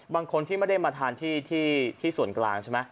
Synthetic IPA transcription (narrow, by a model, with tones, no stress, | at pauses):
baː˧ŋkʰo˧nt̪ʰiː˥˩ma˥˩da˥˩jmaː˧t̪ʰaː˧nt̪ʰiː˥˩t̪ʰiː˥˩t̪ʰiː˥˩su˨˩˦ənkla̰ː˧ŋt͡ɕʰe˥˩ma˦˥